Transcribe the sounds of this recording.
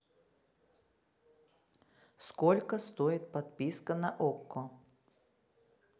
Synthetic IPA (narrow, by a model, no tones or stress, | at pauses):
skolʲkəst̪oɪt̪̚pat̪pʲiskənɐʔokːɔ